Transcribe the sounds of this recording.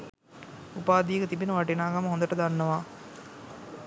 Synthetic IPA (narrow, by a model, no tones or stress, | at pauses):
upaːd̪iːəkət̪ibinəʋaʈinaːɡaməɦond̪əʈəd̪anːəʋaː